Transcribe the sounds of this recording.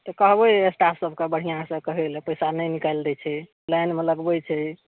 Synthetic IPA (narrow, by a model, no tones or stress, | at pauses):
t̪ɔkəɦbəjesʈasəbʱkebəɽ̤ijãsəkəɦelepəjsanəjnikald̪ɛt͡ʃʰɛ | lajnmeləɡbət͡ʃʰɛ